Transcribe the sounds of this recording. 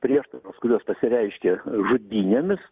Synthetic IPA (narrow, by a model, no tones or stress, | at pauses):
pʲɾʲiɛʃt̪ɐɾoːskʊɾʲuɔspɐsʲɪɾʲɛɪʃʲkʲeʒʊd̪ʲiːnʲeːmʲɪs